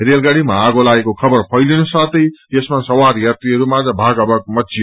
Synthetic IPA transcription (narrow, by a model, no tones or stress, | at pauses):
ɦrelɡaɽimaːɡolaɡekokʰʌbʌrpʰʌjlenosʌt̪ʌjjesmasʌwaɾjat̪riɦʌɾumad͡zʌbʱaɡʌbʌk̚mʌt̪si